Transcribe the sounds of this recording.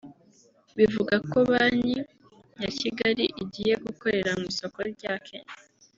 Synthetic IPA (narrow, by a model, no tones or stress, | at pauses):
βivuɡakoβaːɲi | jaciɡaɾiʔiɟije̞ɡuko̞ɾe̞ɾamiːso̞ko̞ɾɟaːkʰḛɲ